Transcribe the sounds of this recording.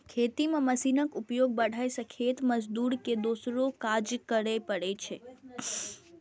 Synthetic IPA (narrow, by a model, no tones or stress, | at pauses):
kʰet̪imãməsinəkupjoɡ̚bəɽ̤ʱaesəkʰet̪məd͡ʒd̪uɾked̪osɾokad͡ʒkəɽepəɽet͡ʃʰe